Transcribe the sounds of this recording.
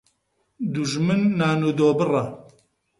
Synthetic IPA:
d̪uʒmɨnːaːnuːd̪oːbɨra

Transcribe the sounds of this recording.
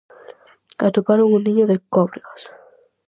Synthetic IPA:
at̪upaɾoŋunĩɲoðekɔβɾiɣas

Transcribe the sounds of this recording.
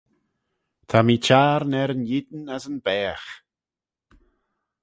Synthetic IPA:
t̪ʰamiːt͡ʃʰaːɾnɛɾənjɪd̪n̩asənbɛːx

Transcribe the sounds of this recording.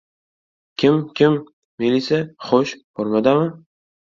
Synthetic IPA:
kʲʰɪmkʲʰɪmː | ilʲisaχoʃb̥oɾmad̪amɪ

